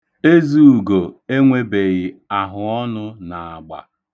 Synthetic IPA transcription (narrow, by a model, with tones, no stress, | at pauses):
e˦zu˦u˨ɡo˨e˦ŋʷe˦be˨ɣɪ˨a˨ɦʊ˨ɔ˦nʊ˦na˨a˨ɡ͡ba̰˨